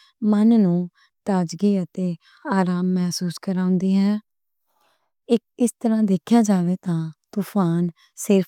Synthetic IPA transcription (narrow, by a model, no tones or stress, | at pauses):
mənnũː | t̪aːd͡ʒɡiːət̪eː | aːɾaːmːɛɦsuːskəɾãːʊ̃nd̪iːɦɛː | ɪkɪst̪əɾãːd̪eːkʰjãːd͡ʒaːʋeːt̪ãːt̪uːpʰaːn | sɪɾpʰ